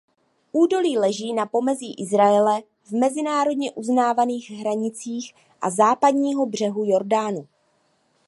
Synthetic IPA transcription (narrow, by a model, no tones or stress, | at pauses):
ʔuːdo̞liːlɛʒiːnapo̞mɛziːʔɪzɾaɛlɛ | vmɛzɪnaːɾo̞dɲɛʔuznaːvaniːɣɦɾaɲɪt͡siːx | ʔa̰zaːpadɲiːɦo̞br̝̥ɛɦujo̞ɾdaːnu